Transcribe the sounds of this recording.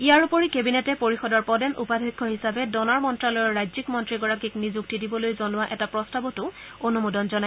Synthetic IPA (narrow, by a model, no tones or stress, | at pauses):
ijaɹupoɹikebinɛtɛpoɹixɔdɔɹpɔdɛnʔṵpadʱikʰːɔɦisabɛdɔnaɹmɔntɹalɔjɔɹɹajzikmɔntɹiɡɔɹakiknizuk̚tidibɔlojzɔnʊwaʔɛtapɹɔstabɔtʊ | onumudɔnzɔnaj